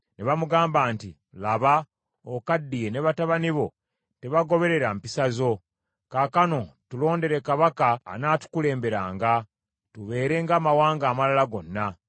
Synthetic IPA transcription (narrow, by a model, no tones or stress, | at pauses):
ne̞βamuɡaːmbaːnti | laβa | okadːijene̞βataβaniβo̞̰ | te̞βaɡo̞βe̞ɾe̞ɾampisazo̞ | kaːkano̞tulo̞ːnde̞ɾe̞kaβaka̰ːnaːtu̥kule̞ːmbe̞ɾaːŋɡa | tuβe̞ːɾe̞ŋɡaːmawaːŋɡaːmalalaɡo̞nːa